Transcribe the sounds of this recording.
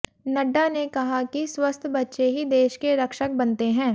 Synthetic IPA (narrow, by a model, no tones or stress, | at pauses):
nɐɖːanekɐɦakiswɐst̪ʰbɐtːʃeɦid̪eːʃkeɾɐkʃək̚bɐnt̪eɦɛ̃ː